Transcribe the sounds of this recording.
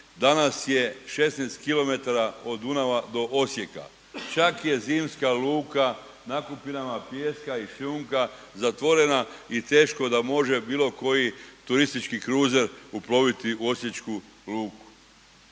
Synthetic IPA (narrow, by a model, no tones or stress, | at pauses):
d̪anasje̞ʃe̞snest̪kilo̞me̞t̪aɾao̞d̪unaʋad̪o̞ʔo̞sjeka̰ | t͡ʃakje̞ziːmskaluːka | nakupinamapjeːskaiʃʎuːŋka | zat̪ʋo̞ɾe̞nait̪e̞ːʃko̞d̪amo̞ʒebiːlˠo̞ko̞jit̪uɾist̪it͡ʃkikɾuːze̞ɾuplo̞ʋit̪iuo̞sje̞t͡ʃku | luːku̥